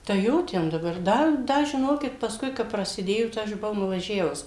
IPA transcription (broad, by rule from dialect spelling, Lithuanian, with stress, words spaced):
tɐɪ ˈjoː ˈtʲɛn dɐˈbɐr ˈdɐ ˈdɐ ʒʲɪˈnoːkʲɪt pɐsˈkʊɪ kɐp prɐsʲɪˈdʲeːjoː tɐɪ ˈɐʃ bʊˈʋɐʊ nʊʋɐˈʒʲæːʋʊs